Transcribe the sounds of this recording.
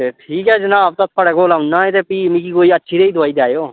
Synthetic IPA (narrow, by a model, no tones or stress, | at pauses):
eʈʰiːkɛːd͡ʒənaːbt̪ət̪̚ʰpʰəɽɛːkoːlaːʊnːãːet̪epiːmĩkiːkoːiətːʃʰiɾeid̪ʊaːid̪jaːjoː